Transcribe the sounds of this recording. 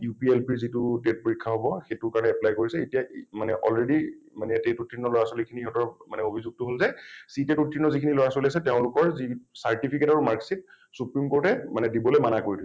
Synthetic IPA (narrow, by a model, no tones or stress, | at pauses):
jupielpiɹzitutet̚poɹikʰːaɦobɔxetʊɹkaɹɔnɛɛplajkoɹisɛetijamanɛ̰ʔɔlɹedimanɛtetutʰːinːɔlɔɹasolikʰinihɔtɔɹmanɛobʱizuɡ̚tʊɦolzɛsitetutʰɹinːɔzikʰinilɔɹasoliasɛteʊ̃lʊkɔɹzisaɹtipʰiketaɹumaɹksit̚ | supɹimkoɹtɛmanɛdibɔlojmanakoɹidisɛ